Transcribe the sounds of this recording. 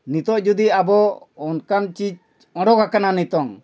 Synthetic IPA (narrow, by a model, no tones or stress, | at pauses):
nit̪ɔʔd͡ʒud̪iabɔːnkamt͡ʃid͡ʒ | ɔ̃ɖɔɡakananit̪ɔŋ